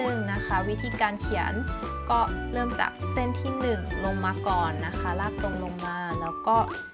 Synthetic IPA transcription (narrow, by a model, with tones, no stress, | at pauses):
ɯ˨˩ŋna˦˥kʰa˦˥wi˦˥t̪ʰiː˧kaː˧nkʰi˩˦ən | kɔː˥˩lɤː˥˩mt͡ɕa̰ː˨˩k̚se˥˩nt̪ʰiː˥˩nɯ˨˩ŋlo˧ŋmaː˧kɔː˨˩nːa˦˥kʰa˦˥laː˥˩k̚lo˧ŋlo˧ŋmaː˧lɛː˦˥wkɔː˥˩